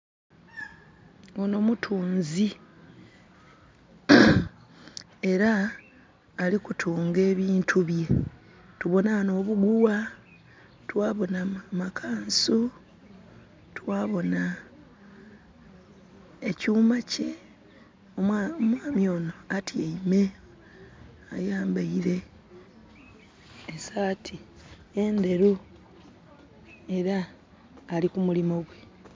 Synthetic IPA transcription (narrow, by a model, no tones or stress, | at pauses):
ono̞mutʰuːnzi | e̞ɾaː | likutʰuːŋɡe̞ːβiːntʰuβje̞ | tuβo̞nano̞ːβuɡuwa | twaːβo̞namakʰaːnsu | twaːβo̞na | ecuːmace | oomwaːmjo̞ːno̞atʰieime̞ | ajaːmbaiɾe̞ | esatʰi | ende̞ɾu | e̞ɾaː | likumulimo̞ɡwe̞